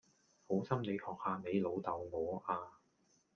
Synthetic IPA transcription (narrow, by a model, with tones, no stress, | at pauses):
ho˨˥wsɐ˥mne˨˧jhɔː˨k̚haː˧me˨˧jlo˨˧wt̪ɐ˨wŋɔː˨˧˥ʔaː˧